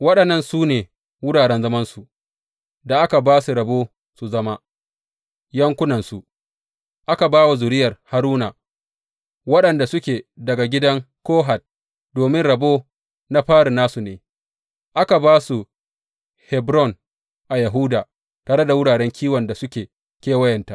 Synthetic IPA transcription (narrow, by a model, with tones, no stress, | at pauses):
wɐ˦ɗɐ˨nːɐ˦nsuː˦neː˨ | wʊ˦ɽaː˨ɽɛ˦nzɐ˦mɐ˦nsu˨ | da˨ʔa˦ka˨baː˦su˨ɾɐ˨boː˦ | su˨zɐ˦ma˦ | jɐ˦ŋkʷʊ˦nɐ˨nsu˨ | ʔa˦ka˨baː˦wa˨zʊ˨ɾɪ˦jɐ˨rha˦ɾuː˦na˨ | wɐ˦ɗɐ˨nda˨sʊ˦kʲeː˨dɐ˨ɡa˨ɡʲɪ˦dɐ˦ŋkoː˦ɦa˨t̚ | doː˨mɪ˦nɽɐ˨boː˦ | na˦ɸaː˦ɽi˨naː˦su˨neː˨ | ʔa˦ka˨baː˦su˨ | hɛ˨bɾɔ˦˨n | ʔa˨ja˨ɦu˦daː˨ | taː˨ɽe˦da˨wʊ˦ɽaː˨ɽɛ˦ŋkʲʰiː˦wɐ˨nda˨sʊ˦kʲeː˨ | kʲeː˦wɐ˦jɐ˨nta˦ʔ